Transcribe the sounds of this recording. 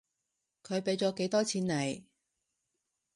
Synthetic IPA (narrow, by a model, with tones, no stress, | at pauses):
kʰɵ˨˧ɥpe˨˥jt͡sɔː˨˥ke˨˧˥jt̪ɔː˥t͡sʰiː˨˧nːɐ˨˩j